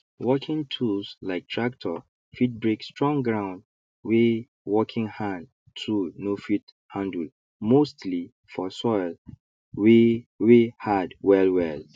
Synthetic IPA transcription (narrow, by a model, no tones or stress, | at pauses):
wɔkʰɪ̃ŋtʰulslaɪk̚tʰɹaktʰɔ | fit̚bɹekstɹɔ̃ŋɡɹãʊ̃nd | we | wɔkʰɪ̃ŋhãn | tʰunofit | hãndə | mostli | fɔsɔɪl | wiwihadwɛlwɛl